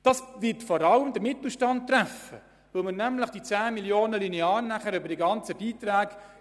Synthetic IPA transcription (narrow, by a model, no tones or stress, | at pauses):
d̥ɑsvɪtfɔɾɑləmd̥əɾmɪt̪l̩ʃtɑnt̚tːræfə̰ | ʋɪlmənæmləχd̥it͡sæːmiljoːnəlineɑːɾnæχəɾʏbəɾd̥iɡɑnt͡səb̥iːt̪ræːɡ